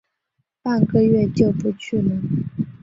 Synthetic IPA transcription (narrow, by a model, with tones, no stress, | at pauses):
pa˥˩nkɤ˥˧ɥɛ˥˧t͡ɕjo˥˩ʊpu˧˥t͡ɕʰy˥˩nə˩